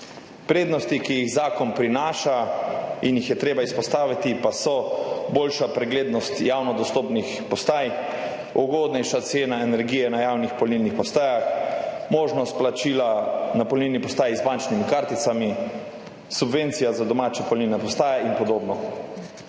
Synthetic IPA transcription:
pɾeːd̪nɔst̪ikijiɣzaːkɔnpɾinaːʃainjixjɛt̪ɾeːbaispɔst̪aːʋit̪ipasɔboːlʃapɾɛɡleːd̪nɔst̪jaːwnɔd̪ɔst̪oːpnixpɔst̪aːj | ɔɡoːd̪nɛjʃat̪seːnaɛnɛɾɡiːjɛnajaːwnixpɔlniːlnixpɔst̪aːjaxmoːʒnɔst̪̚plat͡ʃiːlanapɔlnilnipɔst̪aːjzbant͡ʃnimikaɾt̪it̪sami | subʋeːnt̪sijazad̪ɔmaːt͡ʃɛpɔlniːlnɛpɔst̪aːjɛinpɔd̪oːbnɔ

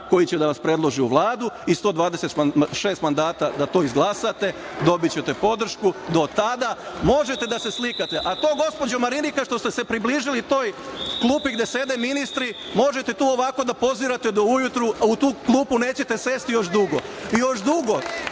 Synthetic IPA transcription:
ko̞jit͡ɕed̪aʋaspɾe̞d̪lo̞ʒiuʋlˠaːd̪uist̪o̞ːd̪ʋaːd̪eset̪ʃe̞ːst̪mand̪aːt̪ad̪at̪o̞ːizɡlˠasat̪e̞ | d̪o̞bit̪t͡ɕet̪e̞po̞d̪r̩ʃkud̪o̞t̪ad̪amo̞ʒe̞t̪ed̪ase̞slikat̪e̞ʔat̪o̞ːɡo̞spo̞d͡ʑomaɾinikaʃt̪o̞st̪ese̞pɾibliːʒilit̪o̞ːjklˠuːpiɡd̪e̞se̞d̪eminist̪ɾi | mo̞ʒe̞t̪e̞t̪uːo̞ʋako̞d̪apo̞ziɾat̪e̞d̪oujut̪ɾuaut̪uːklˠuːpune̞ːt͡ɕe̞t̪e̞se̞st̪ijo̞ʃd̪uɡo̞ijo̞ʃd̪uɡo̞

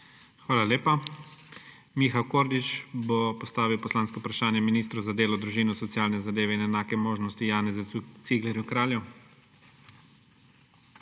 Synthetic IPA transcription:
xʋaːlaleːpa | mixawkoːɾd̪it͡ʃbopɔst̪aːʋiwpɔslaːnskɔupɾaʃaːnjɛminiːst̪ɾɔzad̪eːlɔd̪ɾuʒiːnɔsɔt̪ijaːlnɛzad̪eːʋɛinɛnaːkɛmoːʒnɔst̪ijaːnɛzɛut̪siɡlɛɾjukɾaːljɛ

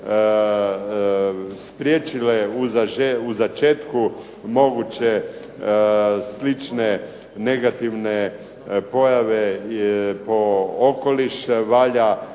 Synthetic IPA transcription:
spɾʲjet͡ʃileuzaeuzat͡ʃeːt̪ku | mo̞ɡut͡ɕe | slit͡ʃne | ne̞ɡat̪iʋne | po̞jaʋe | po̞oko̞liʃʋaːʎa

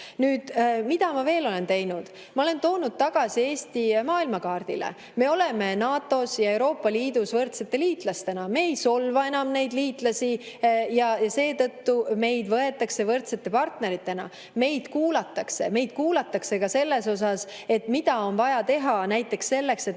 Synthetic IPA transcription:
nyːd̪̥mid̪̥ɑmɑve̞ːlo̞le̞nt̪e̞jnud̪̥ | mɑo̞le̞nt̪o̞ːnud̪̥̚t̪ɑɡ̥ɑsie̞ːsʲt̪imɑːilmɑkɑːrd̪̥ilḛ | me̞o̞le̞me̞nɑːt̪ːˑo̞sjɑe̞wɾo̞ːpːˑɑliːd̪usvɤrt̪se̞t̪ːˑe̞liːt̪ˑlɑst̪e̞nɑme̞ejso̞lvɑe̞nɑmne̞jd̪liːt̪ˑlɑsijɑjɑse̞ːt̪ɤt̪ːume̞jd̪vɤe̞t̪ːˑɑkse̞vɤrt̪se̞t̪ːˑe̞pɑrt̪ne̞ɾit̪ːˑe̞nɑ̰ | me̞jd̪̥kuːlɑt̪ːˑɑkse̞̰me̞jd̪̥̚kuːlɑt̪ːˑɑkse̞kɑse̞lːe̞so̞s̬ɑse̞t̪mid̪̥ɑo̞nvɑjɑt̪e̞ɦɑnæjt̪ːˑe̞ksːe̞lːe̞kse̞t̪

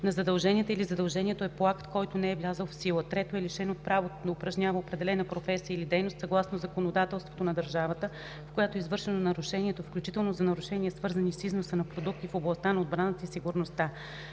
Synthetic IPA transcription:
nɐzɐd̪ɐlˠʒɛnʲiɛt̪əilizɐd̪ɐlˠʒɛniɛt̪oɛpˠakt̪kɔjt̪onɛɛvlʲazəlˠfsilˠət̪ɾɛt̪oɛliʃɛnot̪̚pɾavot̪d̪ɐʊpɾɐʒɲʲavəopɾɛd̪ɛlɛnəpɾofɛsijəilid̪ɛjnost̪sɐɡlˠasnozɐkonod̪at̪ɛlˠst̪vo̥t̪onɐd̪əɾʒavət̪ə | fkojat̪oɛizvɤɾʃɛnonɐɾʊʃɛniɛt̪ofklʲut͡ʃit̪ɛlˠnozɐnɐɾuʃɛniɛsvɤɾzɐnisiznosənɐpɾod̪uk̚t̪ifoblˠɐst̪anɐod̪̚bɾanət̪əisiɡuɾnost̪a

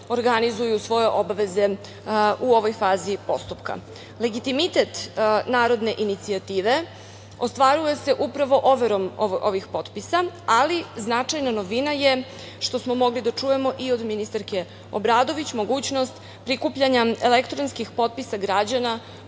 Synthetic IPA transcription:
o̞ɾɡanizujusʋo̞je̞ʔo̞baʋe̞ze̞ | uoʋojfaːzipo̞̰st̪upka̰ | le̞ɡit̪imit̪et̪naːɾo̞d̪ne̞ʔinit̪siat̪iːʋe̞ | ost̪ʋaɾuje̞se̞ʔupɾaʋo̞ʔoʋeɾo̞moʔoʋixpo̞t̪pisaaliznat͡ʂajnano̞ʋinaje | ʃt̪o̞smo̞mo̞ɡlid̪at͡ʂuːje̞mo̞ʔio̞d̪minist̪aɾke | o̰bɾaːd̪o̞ʋit͡ɕmo̞ɡuːt͡ɕno̞st̪ | pɾikuːpʎaɲaelekt̪ɾonskixpo̞t̪̚pisaɡɾad͡ʑana

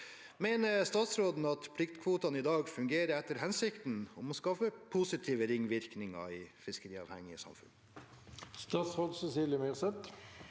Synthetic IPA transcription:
meːnəɾst̪ɑːt̪sɾoːd̪n̩ɑt̪pʰlɪkt̪kʰʋuːt̪ɑnɪd̪ɑːɡfʉŋɡeːɾəɾɛt̪ːəɾhɛnsɪkt̪nɔmɔskɑːfəpʰusɪt̪ʰiːʋəɾɪŋːʋɪɾknɪŋɑ̰ɪfɪskəɾiːɑ̰ːʋhɛ̰ŋːɪəsɑ̰mfʉ̰n | st̪ɑːt̪sɾoːd̪səsiːlɪmeːʁsɛt̪

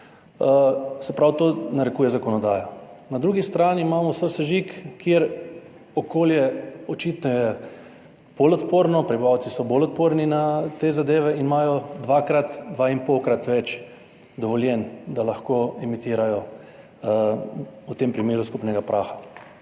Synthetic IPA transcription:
sɛpɾawt̪oːnaɾɛkuːjɛzakɔnɔd̪aːjɔnad̪ɾuːɡist̪ɾaːniːmaːmɔsəsɛʒikːjeɾ | ɔkoːljɛɔt͡ʃiːt̪nɔjɛ | b̥olɔt̪poːɾnɔpɾibiʋawsisɔboːlɔt̪̚poɾninat̪eːzad̪eːʋɛinmaːjɔd̪ʋakɾat̪d̪ʋainpɔwkɾat̪ʋɛt͡ʃ | d̪ɔʋɔljɛnd̪alaxkoɛmit̪iːɾajɔ | ut̪empɾimeːɾuskupnɛɡapɾʔaːxḁ

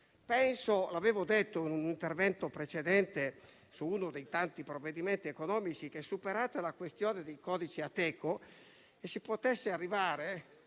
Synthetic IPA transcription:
pɛnsolaveːvod̪et̪ːoinunint̪ervɛnt̪opɾet͡ʃed̪ɛnt̪e | suunod̪ejt̪ant̪ipɾovːed̪iment̪iekonɔːmit͡ʃik̟esːupeɾaːt̪alakwest̪joːned̪ejkɔːd̪it͡ʃiat̪ːɛːkʰo | esːipot̪esːearːivaːɾe

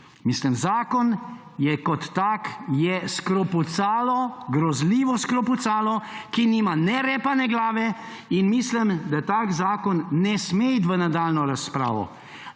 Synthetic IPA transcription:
misləmzaːkɔn | jɛkɔt̪ːakjɛskɾɔput̪saːlɔɡɾɔzliːʋɔskɾɔput̪saːlɔkinimanɛɾɛːpanɛɡlaːʋɛ | inmisləmd̪at̪aːkzaːkɔnːɛsmeit̪ʋənad̪aːlnɔɾaspɾa̰ːʋɔ̰

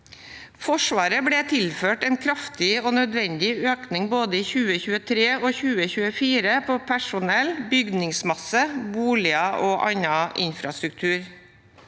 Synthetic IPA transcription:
fɔʂʋɑːɾəbɽeːt̪ʰɪlføːʈɛɪnkʰɾɑft̪ɪoːnœd̪ʋɛnd̪ɪøːknɪŋboːd̪əiːçʉːəçʉːət̪ʰɾeːoːçʉːəçʉːəfiːɾəpʰoːpʰæʂʊnɛlbʏɡnɪŋsmɑsəbuːlɪəʔoːʔɑɲɑʔɪ̰nfɾɑst̪ɾʉk̚t̪ʰʉːɾ

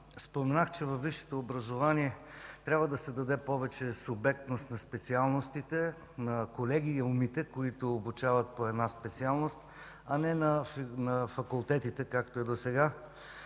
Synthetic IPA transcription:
spomɛnaxt͡ʃɛvɐfːiʃɛ̥t̪oːbɾɐzovaniɛt̪ɾʲjabvəd̪ɐsɛd̪ɐd̪ɛpɔvɛt͡ʃɛsubɛkt̪nost̪nɐspɛt̪sialˠnost̪it̪ɛ | nɐkolɛɡiːumit̪ɛkoit̪oːbut͡ʃavɐt̪̚poɛd̪naspɛt̪sialˠnost̪ | ɐnɛnɐnɐfɐkʊlˠt̪ɛt̪it̪ɛkakt̪oɛd̪osɛɡa

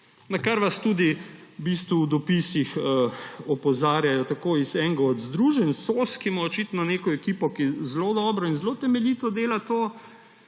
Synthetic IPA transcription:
nakaɾʋast̪ud̪ibist̪ʋuːd̪ɔpisixəɔpɔzaːɾjajɔt̪akoizɛŋɡaɔd̪zd̪ɾuːʒɛnsoːskimɔɔt͡ʃit̪nɔneːkɔɛkiːpɔkizlod̪ɔːbɾɔinzlot̪ɛmɛliːt̪ɔd̪eːlat̪oː

